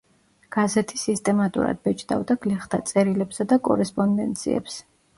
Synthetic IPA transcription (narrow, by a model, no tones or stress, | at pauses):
ɡ̥azɛt̪ʰisist̪ʼɛmat̪ʼṵɾa̰d̪̚bɛt͡ʃʰʼd̪a̰vd̪aɡ̥lɛχt̪ʰat̪sʼɛɾilɛpsad̪akʼɔ̰ɾɛspʼɔnd̪ɛ̰nt̪sʰḭɛ̰ps